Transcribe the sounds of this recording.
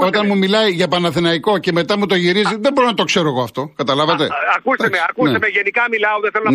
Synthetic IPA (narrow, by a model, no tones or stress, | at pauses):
o̞t̪ɐnmumilɐjʝɐpɐnɐθinɐiko̞ce̞me̞t̪ɐmut̪o̞ʝiɾiziðebo̞ɾo̞nɐt̪o̞kse̞ɾoeɣo̞ɐft̪o̞kɐt̪ɐlɐvɐt̪ḛɐkust̪meɐkust̪emeʝenikɐmilɐout̪eθelon